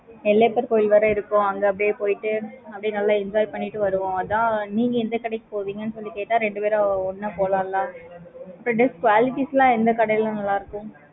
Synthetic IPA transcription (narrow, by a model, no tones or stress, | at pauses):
ɛlːeːpːɐɾkoːjɪlʋɐɾɐɪɾɯkːʊ̃ɐŋɡɐɐp̬ːɐɽɪjeːpoːjɪʈːɯɐpːɐɽɪnɐlːãːɪnd͡ʒaːɪpɐɳːiʈːɯʋɐɾɯʋõːɐðãːniːŋɡɐɛnd̪ɐkɐɽɐɪkːɯ̥poːʋiːŋɡɐnːɯsɔlːikeːʈːãːɾɛɳɖɯpeːɾaɔnːɐpoːlãːlːãːɐpːɾõːɖɪskʋaːlɪʈːislãːɛnd̪ɐkɐɽɐjlãnɐlːaːɪɾɯkːʊ̃